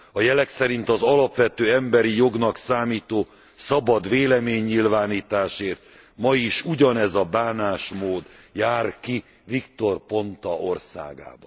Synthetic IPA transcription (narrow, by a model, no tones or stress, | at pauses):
ɒjɛlɛksɛɾint̪ɒzɒlɒpʋɛt̪øːɛmbɛɾijo̞ɡnɒksaːmiːt̪oː | sɒbɒd̪ʋeːlɛmeːɲːilvaːniːt̪aːʃeːrt̪ | mɒjiʃuɟɒnɛzɒbaːnaːʃmoːd̪jaːrki | vikt̪o̞rpo̞nt̪ɒʔo̞rsa̰ːɡa̰ːbɒn